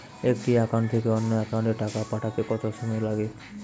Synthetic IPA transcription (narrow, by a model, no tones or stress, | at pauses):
ekːiakaɳɖt̪ʰekeɔnːɔakaɳɖeʈakapaʈʰat͡ʃekɔt̪ɔsumelaɡe